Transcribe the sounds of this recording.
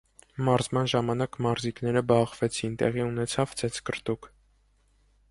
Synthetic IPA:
mɑɾzmɑnʒɑmɑnɑkmɑɾziknɛɾəbɑχvɛt͡sʰint̪ɛ̰ʁiunɛt͡sʰɑvd͡zʰɛt͡skəɾt̪uk

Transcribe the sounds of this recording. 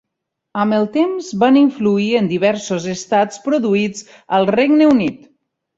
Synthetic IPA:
əməlˠt̪emzβaniɱfluiənd̪iβɛɾsozəst̪at͡spɾuðuid͡z | əlˠreɡnəunit̪

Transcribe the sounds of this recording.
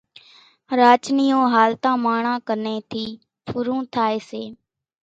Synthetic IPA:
ɾaːt͡ʃniːõːɦaːlt̪ãːmaːɳãːkəneːt̪ʰiː | pʰʊɾũːt̪ʰaːeːseː

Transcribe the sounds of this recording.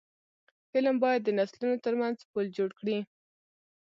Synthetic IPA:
fɪlmbɑjad̪ːənaslunot̪əɾmanzpəld͡ʒoɽkɽi

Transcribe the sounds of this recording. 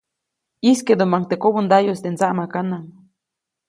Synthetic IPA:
isked̪umaŋkt̪ekoβund̪ajost̪ent͡saʔmakanaŋ

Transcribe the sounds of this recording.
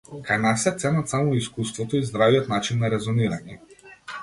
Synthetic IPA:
kajnasɛt̪sɛnat̪samɔiskust̪vɔt̪ɔizd̪ɾavijɔt̪nat͡ʃinːaɾɛzɔniɾaɲɛ

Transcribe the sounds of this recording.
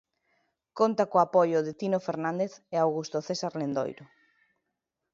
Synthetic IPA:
kont̪akoapojʊðet̪inofeɾnãnd̪eθeawɣust̪oθesaɾlend̪o̰jɾʊ

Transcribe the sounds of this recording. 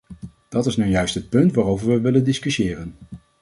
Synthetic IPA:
d̥ɑtɪsnawjœɥstɦət̚pɵntʋaːrowvəɹʋəʋɪləndɪskysɪːrən

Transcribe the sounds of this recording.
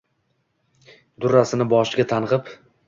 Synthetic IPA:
d̪ʊɾasɪnɪbɒʃɪɡʲat̪ʰanʁɨp

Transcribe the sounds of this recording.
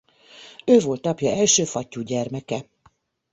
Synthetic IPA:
øːvo̞lt̪ɒpjɒɛlʃøːfɒcːuːɟɛrmɛkɛ

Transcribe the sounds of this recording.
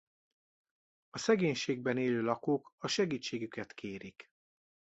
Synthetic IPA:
ɒsɛɡeːɲʃeːɡ̚bɛneːløːlɒkoːkɒʃɛɡiːt͡ʃːeːɡykɛt̪kʰeːɾik

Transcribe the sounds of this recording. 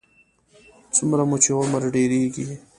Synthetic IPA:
t͡sʊmɾamut͡ʃewaməɾɖeɾeɡi

